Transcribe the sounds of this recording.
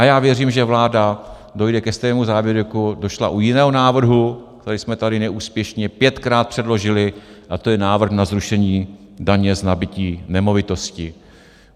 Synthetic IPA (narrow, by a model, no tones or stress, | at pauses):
ʔajaːvjɛriːmʒɛvlaːda | do̞jdɛkɛst̪ɛɛmuzaːvjɛɾukudo̞ʃlaʔujɪnɛːɦo̞naːvr̩ɦuk̚t̪ɛɾɛjsmɛt̪adɪnɛʔuːspjɛʃɲɛpjɛt̪kɾaːt̪̚pr̥ɛdlo̞ʒɪlɪʔat̪o̞jɛnaːvr̩xnazɾuʃɛɲiː | daɲɛznabɪciːnɛmo̞vɪt̪o̞scɪ